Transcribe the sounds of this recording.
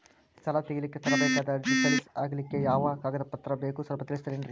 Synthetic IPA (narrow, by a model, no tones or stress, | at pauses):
st̪ʰɐlɐt̪eɡɐlikːet̪ʰɐlɐbɛːkaːd̪ɐd͡ʒisɐɾisaːɡɐlikːe̞jaːʋɐkaːɡɐd̪ɐpɐt̪ːɾɐbeːkusɐlpɐt̪ilist̪ɐlenɖɾi